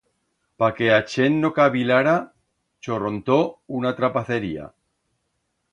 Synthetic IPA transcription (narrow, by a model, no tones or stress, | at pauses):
pake̞at͡ʃe̞nːokaβilaɾa | t͡ʃoront̪ounat̪ɾapaθe̞ɾia̰